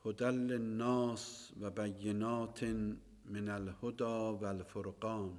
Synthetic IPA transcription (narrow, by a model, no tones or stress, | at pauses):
hod̪ælːenːɑːsvæbæjːenɑːt̪ʰ | menælhod̪ɑːvælfoɾqɑːn